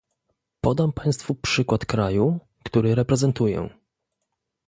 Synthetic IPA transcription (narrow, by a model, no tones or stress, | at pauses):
pɔd̪ampaj̃st̪fupʂɘkwat̪kɾaju | kt̪uɾɘɾɛpɾɛzɛnt̪ujɛ̰